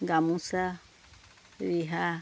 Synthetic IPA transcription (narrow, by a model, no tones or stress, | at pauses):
ŋɡamũsa | ɾiɦa